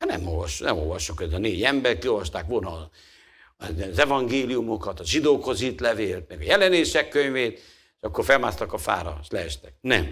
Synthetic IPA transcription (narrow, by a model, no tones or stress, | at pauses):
ɒnɛ̰molvɒʃːunɛmo̰ːlvɒʃːukhoɛzɒneːɟɛmbɛrt̪kiolvɒʃt̪aːkʋo̞lnɒ | zɛvɒŋɡeːlijumo̞kɒt̪ɒʒid̪oːkho̞zit̪lɛveːlt̪̚mɛɡɒjɛlɛneːʃɛkːøɲveːt̪ | ʃɒkːorfɛlmaːst̪ɒkɒfa̰ːɾɒ̰ʃlɛɛʃt̪ɛk̚nɛm